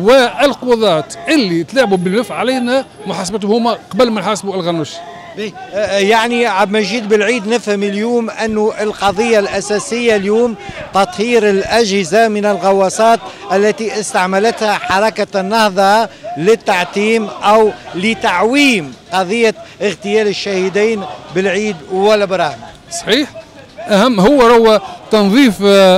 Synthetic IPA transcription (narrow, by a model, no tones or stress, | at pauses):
wəʔɪlqowðˤɑːt̪ʔɪlːit̪laʕbubəlnəfʕalijnæ | mʊħasəbæt̪̬hʊmːæqɑbəlmænħasbuʔəlɣænuʃ | bjaʕniʕabmæʒiːd̪̚bəlʕiːd̪nɪfhəmiljuːmʔɪnːʊʔɪlqɑd̪ˤəjːalʔæsæsɪjːaljuːmt̪ɑt̪ˤhiːɾɪlʔæʒhɪzamɪnəlɣɑwːɑsˤɑːt̪ | ʔælːæt̪iʔɪst̪aʕmælæt̪hæħɑɾˤɑkanːɑhðˤɑlɪt̪ːaʕt̪iːmʔæwlɪt̪aʕwiːmqɑðˤɪjːaɪɣt̪ɪjæːlɪʃːahid̪iːnbɪlʕiːd̪wælːæbɪɾˤɑhma | sˤɑ̥ħiːħ | ʔæhæmːɦʊwːæɾˤʊwːæt̪ɑnðˤiːf